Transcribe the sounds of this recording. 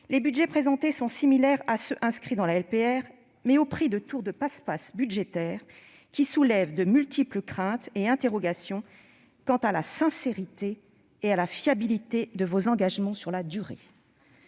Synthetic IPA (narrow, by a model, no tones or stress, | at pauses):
lebydʒɛpχezɑ̃t̪esɔ̃similɛʁasøʔɛ̃skχid̪ɑ̃laɛlpeɛʁ | mɛopχid̪ət̪uʁd̪əpaspasbyd̪ʒet̪ɛːʁ | kʲisulɛvd̪əmylt̪ipləkχɛ̃t̪eɛ̃t̪eʁɔɡasjɔ̃ | kɑ̃t̪alasɛ̃seʁit̪eː | alafjabilit̪ed̪əvozɑ̃ɡaʒmɑ̃syʁlad̪yʁḛ